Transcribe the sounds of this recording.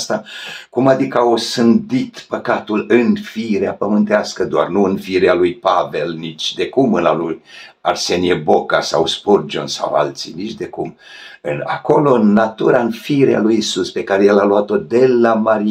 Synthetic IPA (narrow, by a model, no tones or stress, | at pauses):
st̪akumad̪ikəaosɨnd̪it̪pəkat̪ulɨnfiɾeapəmɨnt̪easkəd̪oa̰rnuɨnfiɾealujpave̞lnit͡ʃʲd̪e̞kumɨnalujarse̞niebokasa̰wspurd͡ʒo̰nsa̰wa̰lt̪sḭnit͡ʃd̪e̞kum | ɨna̰ko̞lo̞ɨnːat̪uɾaɨnfiɾea̰lujisuspe̞kaɾejelaluat̪o̞d̪e̞lamaɾi